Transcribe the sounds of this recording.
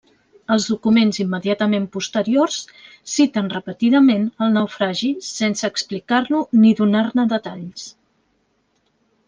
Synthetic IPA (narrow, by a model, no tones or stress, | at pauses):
əlˠzðukumenzimːəðiat̪əmempust̪əɾiors | sit̪ənrəpət̪iðəmenəlˠnəwfɾaʒisensəːksplikarnuniðunarnəðət̪aʎs